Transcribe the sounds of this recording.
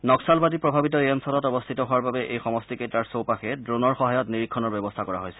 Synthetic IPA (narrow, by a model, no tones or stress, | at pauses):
nɔksalbadipɹɔbʱabit̬ɔeɔnsɔlɔtɔbɔst̪ʰitɔɦʊwaɹbabɛʔejxɔmɔstiketɹaɹsowpaxɛdɹonɔɹxɔɦajɔtniɹikʰːɔnɔɹbɛbɔstʰakɔɹa̰ɦojsɛ̥